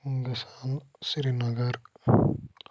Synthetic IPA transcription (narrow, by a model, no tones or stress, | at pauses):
ɡisan | sɾinɐɡɐɾ